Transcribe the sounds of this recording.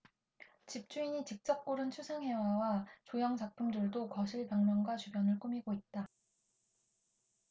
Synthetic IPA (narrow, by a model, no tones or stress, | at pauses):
t͡ɕip̚t͡ɕ͈uiɲit͡ɕik̚t͡ɕ͈ʌp̚k͈uɾɯnt͡ɕʰusʰaŋɦe̞wawat͡ɕojʌŋt͡ɕak̚pʰumdɯɭdokʌɕʰiɭpjʌŋmjʌŋɡwat͡ɕubjʌnɯɭk͈umiɡoit̚t͈a